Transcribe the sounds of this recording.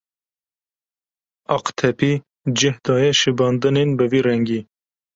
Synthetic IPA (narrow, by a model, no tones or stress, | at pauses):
ɑqt̪ʰɛpiː | d͡ʒɪhd̪ɑːjɛʃɨbɑːnd̪ɨnenbɨviːɾɛŋɡiː